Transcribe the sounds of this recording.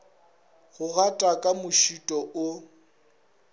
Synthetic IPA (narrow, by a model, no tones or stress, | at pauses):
ɣʊɣatʼakʼamʊʃitʼɔʔʊ